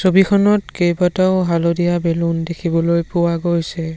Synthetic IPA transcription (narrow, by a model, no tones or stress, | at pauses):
sobikʰɔnɔtkejbataʊɦalodijabelundekʰibɔlojpʊwaɡojsɛ